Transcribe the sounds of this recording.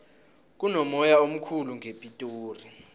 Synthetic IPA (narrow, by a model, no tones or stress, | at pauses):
k̬unɔmɔjaom̩kʰuluŋʱepʼitʼoːri